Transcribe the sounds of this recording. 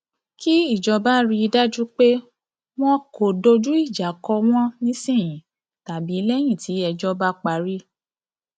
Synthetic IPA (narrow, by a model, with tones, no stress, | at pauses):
kʰi˦i˦˨d͡ʒɔ˧ba˦ɾi˧da˦d͡ʒu˦k͡pe˦ | w̃ɔ̃˦ko˨do˧d͡ʒu˦i˦˨d͡ʒa˨kɔ˧w̃ɔ̃˦nĩ˦sĩ˦˨j̃ĩ˨˦ | ta˨bi˨˦lɛ˦j̃ĩ˦˨tʰi˨˦ɛ˧d͡ʒɔ˦ba˦k͡pa˧ɾi˦